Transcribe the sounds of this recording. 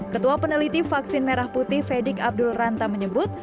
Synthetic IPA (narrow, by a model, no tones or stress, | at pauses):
kət̪uapənəlit̪ifaksɪnmeɾahput̪ɪhfedɪkab̚dʊlrant̪aməɲəbʊt̪̚